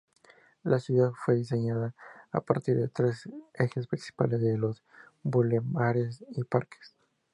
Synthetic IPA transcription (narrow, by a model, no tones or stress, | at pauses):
lʔasjuðaðfwe̞ðiseɲaða̰ːpaɾt̪iɾðe̞t̪ɾe̞se̞xe̞spɾinsi̥pa̰lezðelo̞s | bulemaɾesipaɾke̥s